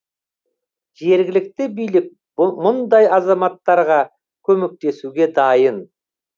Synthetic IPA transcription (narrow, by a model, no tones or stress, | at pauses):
ʒe̞ɾɡʲɪlɪk̚t̪ɪbijlɪk̚ | mʊnd̪ɑjɑzɑmɑt̪ːɑɾʁɑ | kʲʰɵme̞k̚t̪e̞suɡʲe̞d̪ɑjən